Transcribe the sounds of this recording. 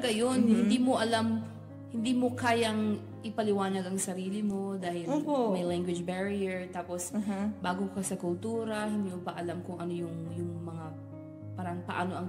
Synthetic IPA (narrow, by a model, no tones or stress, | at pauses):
ɡɐjonhɪnd̪iːmoʔɐlam | hɪnd̪iːmo̞kaːjɐŋ | ʔɪpɐlɪwaːnɐɡɐŋsɐɾiːlɪmo̞d̪aːhɪloːpomɐjlaŋɡwɪd͡ʒbɛɹijɛɹt̪aːposbaːɡokɐsɐkʊlt̪uːɾɐhɪnd̪iːmobɐʔɐlamkʊŋʔɐno̞jʊŋjʊŋmɐŋa | paːɾɐŋpɐʔa̰ːno̞ʔɐŋ